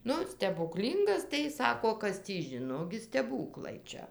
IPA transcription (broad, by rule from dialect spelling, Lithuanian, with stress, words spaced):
ˈnʊ sʲtʲɛbʊˈklʲiːŋɡɐs tɐɪ jɪs ˈsɑːkoː ˈkɐs tʲiː ˈʒʲɪnoː ˈɡʲɪ sʲtʲɛˈbuːklˠɐɪ ˈt͡ʃʲɛ